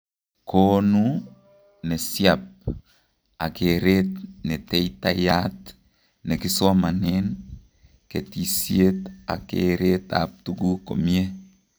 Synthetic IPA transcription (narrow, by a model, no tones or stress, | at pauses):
konu | nɛsiap̚ | akeɾet̪nɛtɛjt̪ajat̪ | nɛkɪswamanen | ketisjet̪a̰kḛɾet̪a̰p̚t̪uɡuko̰mie